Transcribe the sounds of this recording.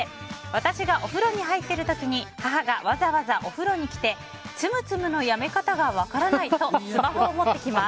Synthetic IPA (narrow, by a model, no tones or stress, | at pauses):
βat̪aɕiɡaʔo̞ɸɯ̟ɾo̞ɲ̟iɦait̪ːe̞ɾɯ̟t̪o̞kʲiɲ̟ihaɦaɡaβazaβazaʔo̞ɸɯ̟ɾo̞ɲ̟ikʲi̥t̪e̞ | t͡sɨmɯ̟t͡sɨmɯ̟no̞jame̞kat̪aɡaβakaɾanait̪o̞sɨmaɦoːmo̞t̪ːe̞kʲimas